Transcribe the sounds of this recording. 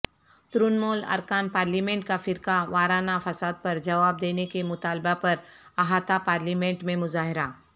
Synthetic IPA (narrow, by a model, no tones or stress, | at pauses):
t̪ɾʊnmoːlɐ̰ɾkaːnpaːɾlimẽːɳʈ̚kafɪɾkaʋaːɾaːnafɐsaːd̪̚pɐɾd͡ʒɐʋaːb̚d̪eːnekemʊt̪aːlbapɐɾ | aɦaːt̪apaːɾliːmẽɳʈmẽmʊzaːɦɪɾaː